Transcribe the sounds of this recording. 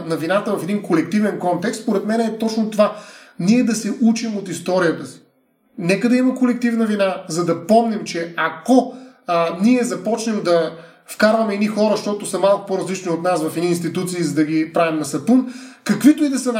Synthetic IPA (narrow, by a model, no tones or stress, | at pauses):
nɐvinat̪əvɐfɛd̪inkolɛk̚t̪ivɛnkɔnt̪ɛkst̪spoɾɛt̪mɛnɛt̪ɔt͡ʃnot̪ovaniɛd̪ɐsɛʔut͡ʃimot̪ist̪ɔɾijət̪əsi̥ | nɛkəd̪ɐimɐkolɛk̚t̪ivnɐvinazɐd̪ɐpɔmnɛmt͡ʃɛɐkɔ | niɛzɐpɔt͡ʃnɛmd̪ɐ | fkaɾvɐmɛinixɔɾəʃt̪ɔt̪osɐmalˠkʊ̥poɾɐzlit͡ʃniot̪nasvɐfɛd̪iːnst̪it̪ut̪siːzɐd̪ɐɡipɾavimnɐsɐp̪unkɐkvit̪oid̪ɐsɐn